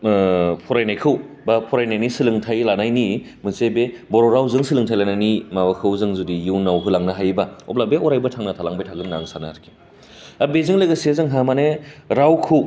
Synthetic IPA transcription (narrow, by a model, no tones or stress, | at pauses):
pʰɔɾajnajkʰɯw | bapʰɔɾajnajnisɯlɯŋtʰajlanajni | mɯsebebɔɾɔɾawzɯŋsɯlɯŋtʰajlanajnimabakʰɯwzɯŋzudijuwnawɦɯlaŋnɐɦajbaɔ̰p̚labeɔɾajbɐtʰaŋnɐtʰalaŋbajtʰaɡɯnːa̰ŋsanaɾkʰi̥ | abezɯŋlɯɡɐsiazɯŋɦamaneɾawkʰɯw